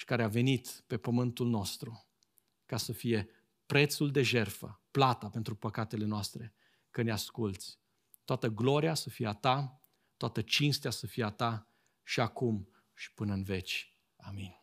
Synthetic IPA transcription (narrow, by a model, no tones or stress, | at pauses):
ʃi̥kaɾeave̞nit̪pe̞pəmɨnt̪ulno̞st̪ɾu | kasəfije̞ | pɾe̞t̪suld̪e̞ʒe̞rfə̰plat̪ape̞nt̪ɾupəkat̪e̞le̞noast̪ɾe | kəneaskult̪sʲ | t̪oat̪əɡlo̞ɾiasəfijeat̪a | t̪oat̪ət͡ʃinst̪easəfijeat̪a | ʃiakum | ʃi̥pɨnəɨnve̞t͡ʃʲ | amin